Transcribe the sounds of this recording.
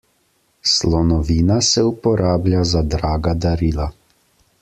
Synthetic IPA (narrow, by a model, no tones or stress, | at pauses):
slɔnɔʋiːnasɛupɔɾʔaːblʲjazad̪ɾaːɡad̪aɾiːla